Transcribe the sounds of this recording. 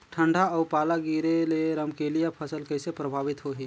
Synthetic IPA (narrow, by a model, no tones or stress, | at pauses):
ʈʰə̃ɳɖʱaɔːpaːlaɡiːɾeleɾəmkeːlijapʰəsəlkɐɪsepɾəbʱaːʋɪt̪ɦoɦiː